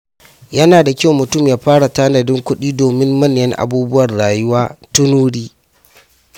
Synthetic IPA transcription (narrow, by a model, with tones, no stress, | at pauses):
jɐ˦naː˨da˨kʲa˦wmʊ˨tʊ˦˨mjaː˨ɸaː˦ɽa˨ta˦nɐ˨dɪ˦ŋkʷʊ˦ɗiː˦doː˨mɪ˦mːɐ˦njɐ˦ŋʔa̰˨buː˦bʊ˦wɐ˨rɽaː˨jʊ˦waː˦tʊ˦nuː˦ɽiː˦